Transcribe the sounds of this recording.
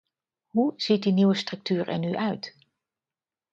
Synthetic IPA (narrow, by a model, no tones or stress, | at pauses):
ɦuz̥it̚diniwəstrɵk̚tyːrɛ̰ɹnyʔœɥt